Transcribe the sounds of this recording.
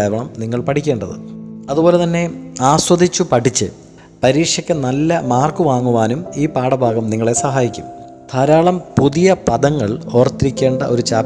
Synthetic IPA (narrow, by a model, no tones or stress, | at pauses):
eːʋɐɳɐmniŋːɐɭpɐʈʰikʲːe̞ːɳɖɐðɨ̰ɐðubo̞ːlet̪ɐnːe̞aːswɐd̪ʱit͡ɕːupɐʈit͡ɕːɨ | pɐɾiːkʂjɐkʲːɨnɐlːɐmaːrkuʋaːŋːuʋaːnumiːpaːɽɐbʱaːɡɐmniŋːɐɭe̞sɐɦaːjikʲːṵm | t̪ʰɐɾaːɭɐmpuðijɐpɐðɐŋːɐɭo̞ːrt̪ːiɾikʲːe̞ːɳɖɐʔo̞ɾut͡ɕaː